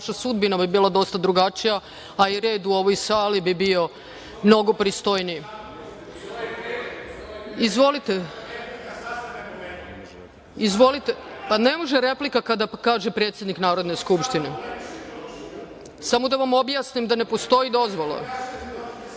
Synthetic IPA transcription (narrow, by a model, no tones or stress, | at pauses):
aʃasud̪binabibiːlˠad̪o̞st̪ad̪ɾuɡat͡ʃija | aiɾeːd̪uo̞ʋojsaːlibibio̞ | mno̞ɡo̞pɾist̪o̞jnij | izʋo̞lit̪e | izʋo̞lit̪epanemoʒeɾe̞plikakad̪akaːʒepɾet̪sje̞d̪niknaːɾo̞d̪neskupʃt̪ine | samo̞d̪aʋamo̞bjaːsnimd̪ane̞po̞st̪o̞id̪o̞zʋola̰